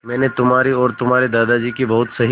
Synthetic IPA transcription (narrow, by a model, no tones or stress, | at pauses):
mɛ̃ːnet̪ʊmɦaːɾiɔːɾt̪ʊmɦaːɾed̪aːd̪ad͡ʒiːkibɐɦʊt̪sɐɦi